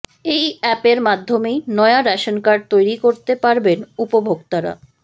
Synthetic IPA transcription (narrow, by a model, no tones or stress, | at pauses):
ejɛpeɾmad̪ʱːomejnɔeaɾɛʃonkaɾɖ̚t̪ojɾikoɾt̪epaɾbenupobʱoɡt̪aɾa̰